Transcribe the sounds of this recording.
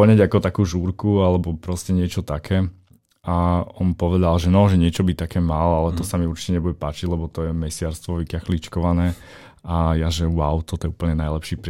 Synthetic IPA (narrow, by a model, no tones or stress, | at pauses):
ɲɛɟakɔt̪akuːʒuːɾkualɛbɔpɾɔscɛɲɪɛt͡ʃɔt̪akʰɛː | ʔaɔnpɔʋɛd̪alʒɛnɔʒɛɲɪɛt͡ʃɔbit̪akɛːmalalɛt̪ɔsamiuɾt͡ʃi̥tcɛɲɛbuɟɛpaːt͡ʃiɟlɛbɔt̪ɔjɛmɛsɪaɾst̪ʋɔʋikaxlit͡ʃkɔʋanɛː | ajaʒɛwaʊt̪ɔt̪ɔjɛuːpl̩ɲɛnajlɛpʃiːpɾ